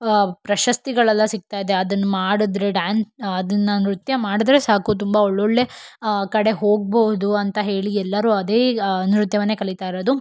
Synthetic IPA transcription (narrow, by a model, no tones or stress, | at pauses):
pɾɐʃɐst̪iɡɐɭɐlːɐsik̚t̪aːjd̪e̞ɐd̪ɐnːumaːɽud̪ɾe̞ɖaːnɐd̪ɐnːɐnɾut̪jɐmaːɽid̪ɾe̞saːkut̪̬umbɐɔɭːoɭːe̞kɐɽe̞ɦo̞ːɡ̚bɐɦud̪uɐnt̪ɐɦe̞ːɭiɛlːɐɾuːɐd̪eːnɾut̪jɐʋɐnːekɐɭit̪aːjɾod̪u